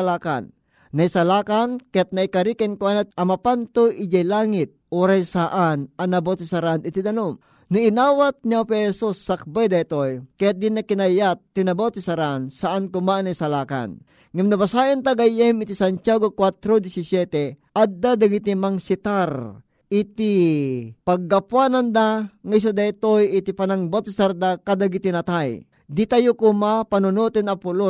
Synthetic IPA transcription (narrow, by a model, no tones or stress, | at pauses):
laːka̰nː | ɐisɐlaːkankɛt̪̚nɐikɐɾikɛnkwanat̪̚ɐmapant̪oʔid͡ʒajlaːŋit̪̚oːɾajsaʔanʔɐnɐbot̪isaɾanɪt̪id̪ɐnum | nuinaːwat̪̚niopɛhɛsusːak̚bajd̪ɐit̪ojkɛt̪̚d̪inakinajat̪ːinɐbawt̪isaɾansaʔankʊmanɐjsalaːka̰n | ŋamnɐbasaːʔɪnt̪aɡajɛmɪt̪isant͡ʃjaːɡokwat̪ɾod̪isɪsjɛt̪ɛʔad̪ːad̪aɡit̪imaŋsit̪aɾ | ʔɪt̪i | paɡːapwaːnand̪aŋais̬ad̪ait̪ojɪt̪ipanaŋbawt̪isaɾd̪akad̪aɡit̪inɐt̪aj | d̪it̪ajukumapanʊnut̪ɪnɐpʊlo